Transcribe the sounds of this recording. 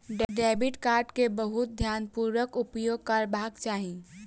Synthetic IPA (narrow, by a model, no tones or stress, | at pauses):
ɖɖɛːbɪʈkaːɾɖkebəɦʊt̪̚d̪ʱjaːnpuːɾʋəkʊpjoːɡ̚kɐɾbaːɡt͡ʃaːɦi